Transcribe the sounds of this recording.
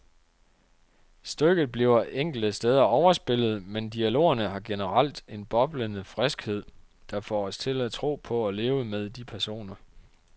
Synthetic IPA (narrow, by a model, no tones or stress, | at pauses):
sd̥øɡ̥ð̩ˠb̥liʊ̰ɐʔeŋ̰ɡ̥l̩d̥əsd̥eːð̞ˠɐɒʊɐsb̥e̝l̰ð̞̩ˠmend̥iælo̝̰ːɐnəɦɑ̈ɡ̥enəʁal̰d̥e̝nb̥ɒ̽b̥lənəfʁɛsɡ̥he̝ð̰ˠ | d̥ɑ̈fɒ̰ːɒ̽st͡sʰe̝læt͡sʰʁo̝̰ːpʰɒ̽ɒle̝ːʊəmeð̞ˠd̥ipʰæɐso̝̰ːnɐ